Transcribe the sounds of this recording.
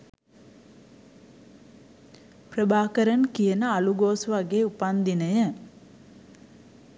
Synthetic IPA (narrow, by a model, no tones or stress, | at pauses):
prəbaːkəɾənkijənəaluɡoːsʋaɡeːupand̪inəjə